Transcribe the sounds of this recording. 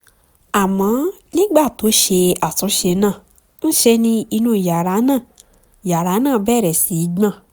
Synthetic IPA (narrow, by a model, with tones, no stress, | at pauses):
a˨mã˨˦nĩ˦ɡ͡ba˦˨to˨˦ʃe˧a˨sɔ˨˦ʃe˧nã˦˨ | n̩˦ʃe˧nĩ˧i˧nũ˦˨ja˨ɾa˨˦nã˦˨ | ja˨ɾa˨˦nã˦˨bɛː˦˨ɾɛ˨si˨˦ɡ͡bã˦˨